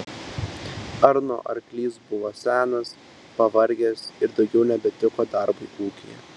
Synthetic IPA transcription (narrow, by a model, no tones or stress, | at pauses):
ɐɾno̰ːʔɐ̰ɾklʲiːsbʊʋoːsʲæːnɐs | pɐʋɐɾʲɡʲeːsɪɾd̪ɒʊɡʲɛʊnʲɛbʲɛt̪ʲɪkoːd̪ɐɾbɐɪʔuːkʲɪjɛ̰